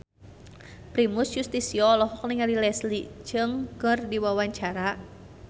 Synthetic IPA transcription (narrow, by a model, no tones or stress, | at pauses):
pɾimusjust̪isiɔlɔɦɔkniŋalilɛslid͡ʒɨŋkɨrdiwawaɲt͡ʃaɾa